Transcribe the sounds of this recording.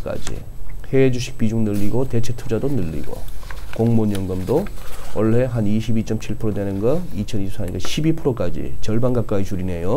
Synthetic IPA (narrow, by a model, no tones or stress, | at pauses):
k͈a̰d͡ʑḭ | he̞ːd͡ʑuɕʰi̥k̚p͈id͡ʑuŋnɯʎːiɡote̞t͡ɕʰe̞tʰud͡ʑadonɯʎːḭɡo̰koŋmoɲjʌŋɡʌmdoʌɭːe̞ɦaniɕʰibit͡ɕ͈ʌmt͡ɕʰiɭpʰɯɾodwenɯnɡʌit͡ɕʰʌnisʰaɲiɡaɕʰibipʰɯɾok͈ad͡ʑḭt͡ɕʌɭbanɡak͈ait͡ɕuɾine̞jo